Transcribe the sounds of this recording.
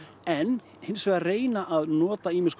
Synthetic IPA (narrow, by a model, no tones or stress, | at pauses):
ɛnː | hɪnsvɛːɣareːjnaʔaðnɔːt̪aiːmɪsk